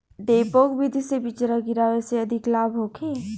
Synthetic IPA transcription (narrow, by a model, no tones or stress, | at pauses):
d̪eːpoːkbid̪ʱisebit͡ʃɾaɡiɾaʋeseɐd̪ʱɪklaːbʱɦokʰeː